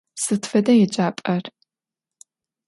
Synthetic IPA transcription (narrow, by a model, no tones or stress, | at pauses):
sɨtʰfɐdɐjɛd͡ʒʼaːpʼɐr